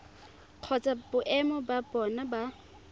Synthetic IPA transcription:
q͡χʰɔt͡sʼabʊʔɛmɔbabɔnaba

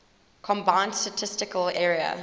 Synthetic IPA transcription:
kʰɔ̃mbãɪ̃nstətʰɪstɪkəlɛːɹiə̰

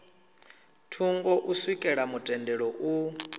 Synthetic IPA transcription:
tʰuŋɡɔʔuswikʼɛɺamutʼɛndɛɺɔʔu

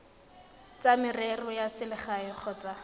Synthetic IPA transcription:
t͡samɪrɛrɔjasɪlɪχaɪq͡χʰɔːt͡sʼa

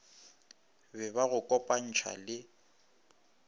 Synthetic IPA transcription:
bɛbaɣʊkʼɔpʼan̩t͡ʃʰa̰lɪ

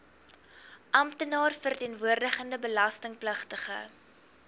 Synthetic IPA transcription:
ʔɐmtənɑːrfərtiənvuərdəχəndəbəlɐstəŋpləχtəχə̰

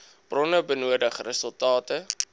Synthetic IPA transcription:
b̥rɔnəbənuədəχrəsəlˠtɑːtə

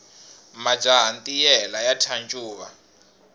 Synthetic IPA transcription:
mḁd͡ʒaɦant̪ʼijɛlajatʰant͡ʃʼuːβa

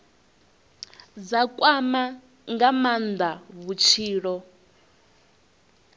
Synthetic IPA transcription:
d͡zakʼwama | ŋɡamand̪aβut͡ʃʰiːɺɔ

